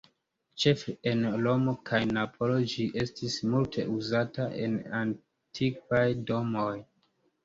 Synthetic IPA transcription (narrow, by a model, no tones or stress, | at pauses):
t͡ʃe̞fɾenlo̞mokʰajnapʰo̞lo̞d͡ʒiʔe̞stʰismultʰe̞̰ʔuzataʔe̞̰nan | tʰikajdo̞mo̞j